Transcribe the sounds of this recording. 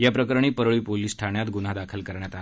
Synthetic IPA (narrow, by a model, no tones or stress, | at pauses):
japɾəkəɾɳ̃iːpəɾɭiːpoliːsʈʰaɳjat̪ɡunad̪akʰəlkəɾɳjat̪a